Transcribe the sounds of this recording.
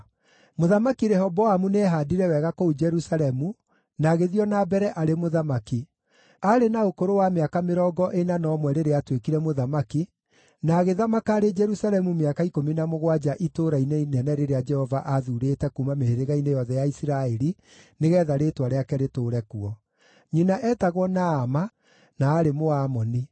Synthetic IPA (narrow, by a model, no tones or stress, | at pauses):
moðamakiɾɛhɔbɔamunɛːɦadiɾɛwɛɣakoud͡ʒɛɾusalɛmu | naɣeðiɔnabɛɾɛʔaɾemoðamaki | aɾenaokoɾowameakameɾɔɡɔʔenanɔːmwɛɾeɾeatwekiɾɛmoðamaki | naːɣeðamakaːɾed͡ʒɛɾusalɛmumeakaikominamoɣwad͡ʒaʔitoɾainenɛnɛɾeɾead͡ʒɛhɔvaʔaðuɾetɛkumameheɾeɣainejɔðɛjaisiɾaɛɾi | neɣɛðaɾetwaɾeakɛɾetoːɾɛkuɔ | ɲinaʔɛːtaɣwɔnaːma | naːɾemoaːmɔni